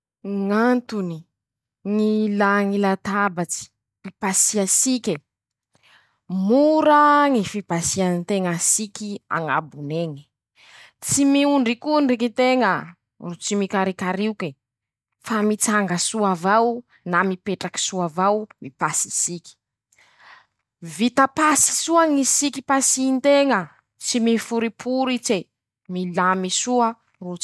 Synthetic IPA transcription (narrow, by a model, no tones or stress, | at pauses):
ŋant̪uni | ŋilaŋilat̪abat͡si̥ | mipasiasikʲe | muɾaŋifib̥asianint̪eŋasikʲia̰ŋa̰buneŋi̥ | t͡simiuɳɖ͡ʐikunrikit̪eŋə | rut͡simikaɾikaɾiuke | famit͡saŋɡəsuavaw | namipeʈ͡ʂaki̥suavawmipasisiki̥ | vit̪apasi̥suaŋisiki̥pasint̪eŋə | t͡simifuɾipʰuɾit͡se | milamisuə | rut͡s